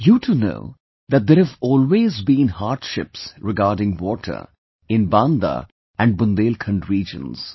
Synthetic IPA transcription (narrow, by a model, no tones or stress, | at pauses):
juːʈʰuno̰ʊ | d̪æt̚d̪eːɾhævɔːlweːzbĩːnhaːɾɖʃɪ̰psɾɪɡaːɾɖɪ̃ŋwɔːʈʰə̰ɾ | ɪ̃nbãːnd̪a̰ | æ̃ɳɖ̚bʊ̃nd̪eːlkʰə̃ɳɖɾiːd͡ʒə̰̃nz̥